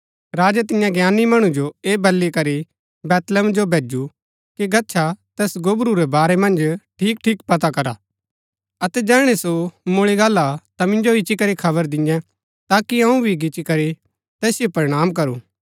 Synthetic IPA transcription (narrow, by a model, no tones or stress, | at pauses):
ɾaːd͡ʒat̪ɪjãɡjaːnimɐɽ̃ũd͡ʒoeːbɐlːikɐɾi | bɛːt̪ləmd͡ʒobʱeːd͡ʒu | kiɡɐtːʃʰat̪ɛːsɡobɾuɾɛbaːɾɛmɐ̃nd͡ʒʈʰiːk̚ʈʰiːkpɐt̪akɐɾa | ɐt̪ɛd͡ʒɛːɽ̃esomoːɭiɡaːlːat̪amɪ̃nd͡ʒoɪt͡ʃːikɐɾikʰɐβəɾd̪ɪ̃jɛ̃ | t̪aːkiɐ̃ũbʱiɡɪt͡ʃikɐɾi | t̪ɛːsjopɐɾɪɽ̃aːmk̬ɐɾṵː